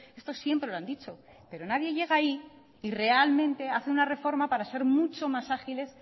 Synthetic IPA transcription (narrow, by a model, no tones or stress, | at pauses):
e̞st̪o̞sje̞mpɾe̞loand̪it͡ʃo̞ | pe̞ɾo̞naðje̞ʝe̞ɣ̞aiː | re̞almẽ̞nt̪e̞aθeunare̞fo̞ɾmapaɾase̞ɾmut͡ʃo̞masaxile̞s